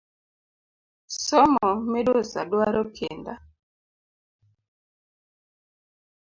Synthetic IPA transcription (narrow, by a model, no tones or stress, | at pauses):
sɔmɔmedosa̰dwaɾɔkʰenda